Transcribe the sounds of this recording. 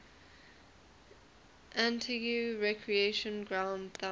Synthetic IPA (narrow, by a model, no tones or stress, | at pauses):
ʔãntʰiɡjuɹɛkʰɹieʃə̃nɡɹãʊ̃ndθã